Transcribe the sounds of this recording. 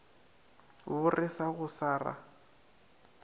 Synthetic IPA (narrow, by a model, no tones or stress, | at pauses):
bʊrɪsaɣʊsaːra̰